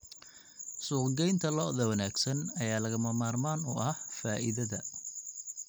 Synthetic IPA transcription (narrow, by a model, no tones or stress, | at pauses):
suːqɡɛjnt̪ʰɐlɔðɐwɐnaːɡsɐnɐjaːlɐɣɐmɐmaːrmaːnʊ̰ʔɐhfaːʔɪðɐðɐ